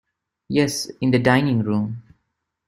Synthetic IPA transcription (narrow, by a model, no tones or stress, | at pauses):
jɛsɪ̃nd̪ədãɪnɪ̃ŋɾũːm